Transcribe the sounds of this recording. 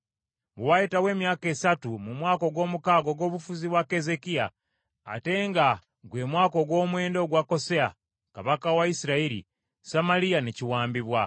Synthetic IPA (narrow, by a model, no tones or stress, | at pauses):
βuwajitawe̞ːmjaːke̞satumumwaːko̞ɡwo̞ːmukaːɡo̞ɡo̞ːβufuziβwake̞ze̞kia̰ː | te̞ŋɡa | ɡwe̞ːmwaːkoɡwo̞ːmwe̞ːndo̞ːɡwako̞sea | kaβakawaisiɾaiɾḭ | samaɾijaneciwaːmbiβwa